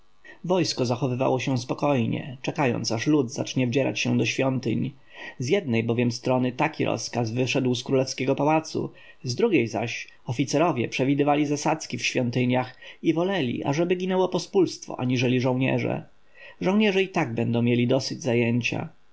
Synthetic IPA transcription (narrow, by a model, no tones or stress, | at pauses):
vɔjskɔzaxɔvɘva̰wɔɕɛ̃spɔkɔjɲɛ̰t͡ʂɛkajɔ̰nt̪saʂlud̪za̰t͡ʂɲɛvd͡ʑɛɾa̰t͡ɕɕɛ̃d̪ɔɕfʲjɔnt̪ɘ̰ɲ | zjɛd̪̚nɛjbɔvʲjɛmst̪ɾɔnɘt̪akʲiɾʔɔ̰skazvɘʂɛd̪wskɾulɛfskʲɛɡɔpawat̪sṵ | zd̪ɾuɡʲejza̰ɕ | ɔfʲit̪sɛɾɔvʲjɛpʂɛvʲid̪ɘvalʲizasat̪skʲifɕfʲjɔnt̪ɘɲaxivɔlɛlʲḭʔa̰ʐɛbɘɡʲinɛwɔpɔspulst̪fɔ̰ʔaɲiʐɛlʲiʐɔ̃w̃ɲɛ̰ʐɛ̰ | ʐɔ̃w̃ɲɛʐɛit̪aɡ̚bɛnd̪ɔ̃w̃mʲjelʲid̪ɔsɘd͡ʑzajeɲt͡ɕa̰